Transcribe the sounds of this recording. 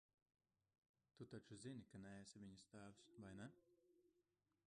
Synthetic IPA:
t̪ut̪at͡ʃuzinʲikanɛɛsavʲiɲust̪aːvsvajnɛ

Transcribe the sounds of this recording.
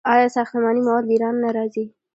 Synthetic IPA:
ɑjɑsɑxt̪əmɑnimawɑd̪̚ləiɾɑnːaɾɑzi

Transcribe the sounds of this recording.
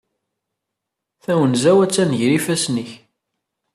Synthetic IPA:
θæwənzæwæt͡sːænʝɾifæsniç

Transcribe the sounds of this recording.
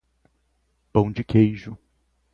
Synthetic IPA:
pɐ̃w̃d͡ʒɪkejʒʊ

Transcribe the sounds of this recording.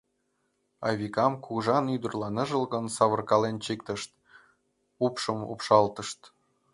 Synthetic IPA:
ɑ̰βʲikɑmkuɣʒɑnyd̪ərlɑnɤʒə̆lɣə̆nsɑβɤ̆rkɑlent͡ɕik̚t̪əʃt̪ | upʃɤmṵpʃɑlt̪ɤʃt̪

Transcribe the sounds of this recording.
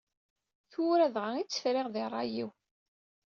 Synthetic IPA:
θʊɾæðʁait͡sːə̥fɾɪʁðɪrˤːɑ̰jiw

